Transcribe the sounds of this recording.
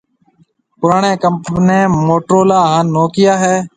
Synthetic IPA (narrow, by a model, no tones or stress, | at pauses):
pʊɾaːɳẽːkəmpnẽːmoːʈɾoːlaːɦãːnːoːkɪjaːɦɛː